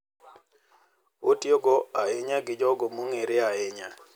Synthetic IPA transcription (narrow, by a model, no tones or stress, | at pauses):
otjoɡɔaeɲaɡɪd͡ʒɔɡomoŋeɾeaeɲa